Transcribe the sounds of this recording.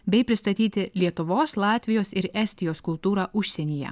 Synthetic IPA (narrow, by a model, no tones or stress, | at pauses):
bʲɛɪpʲɾʲɪst̪ɐt̪ʲiːt̪ʲɪlʲiɛt̪ʊʋoːslˠɑːt̪ʲʋʲɪjoːsɪɾɛːsʲt̪ʲɪjoːskʊlˠt̪uːɾɑːʔʊʃʲsʲɛnʲiːjɛ̰